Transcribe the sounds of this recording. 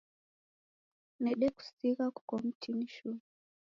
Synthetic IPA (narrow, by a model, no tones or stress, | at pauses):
nɛɗɛku̥siɣaku̥kɔm̩tʰiniʃu